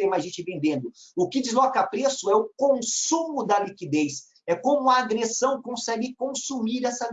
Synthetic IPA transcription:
ẽmɐʒẽnt͡ʃɪvẽnd̪ẽnd̪ʊʊkɪd͡ʒɪzlɔkɐpɾesʊɛʊkõssũmʊd̪ɐlikid̪ejs | ɛkõmʊɐːɡɾesɐ̃w̃kõsɛɡɪkõsumiɾɛsɐ

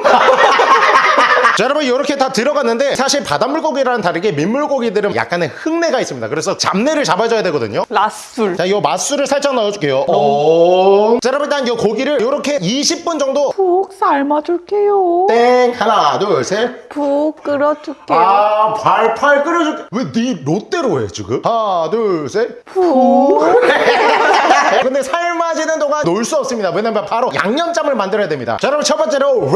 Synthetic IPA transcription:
t͡ɕaɾamɯnjʌɾʌkʰe̞tatɯɾʌɡanːɯnde̞sʰaɕʰiɭpadamuɭk͈oɡiɾanɯntaɾɯɡe̞mimːuɭk͈oɡidɯɾɯnja̰k̚k͈anehɯŋne̞ɡais͈ɯmɲidakɯɾe̞sʰʌt͡ɕamne̞ɾɯɭt͡ɕabad͡ʑʌjadweɡʌdɯ̰ɲolas͈uɭt͡ɕajʌmas͈uɾɯɭsʰaɭt͡ɕ͈ʰʌŋnajʌd͡ʑuk͈e̞joɔ | t͡ɕaɾamɯt͈anjʌkoɡiɾɯɭjʌɾʌkʰe̞iɕʰip̚p͈und͡ʑʌŋdopok̚saɭmad͡ʑoɭk͈ejot͈ehanadosʰepuk͈ɯɾʌt͡ɕuk͈eapaɭpʰaɭk͈ɯɾʌd͡ʑukeweniɾot͈e̞ɾoɦḛt͡ɕiɡɯmadɯsʰepuu | kɯnde̞sʰaɭmad͡ʑinɯndoŋannoɭs͈uʌp̚s͈ɯmɲidawenːamjʌnpaɾoja̰ŋɲʌnt͡ɕ͈amɯɭmandɯɾʌjadwemɲida̰t͡ɕʌɾʌɯɭt͡ɕʰʌɭp͈ʌnt͡ɕ͈eɾo

